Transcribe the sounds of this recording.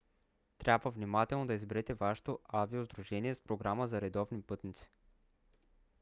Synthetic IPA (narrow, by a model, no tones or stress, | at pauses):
t̪ɾʲabvəvnimat̪ɛlˠnod̪ɐizbɛɾɛt̪ɛvaʃɛ̥t̪oaviozd̪ɾuʒɛniɛspɾoɡɾaməzɐɾɛd̪ɔvnipɤt̪nit̪si̥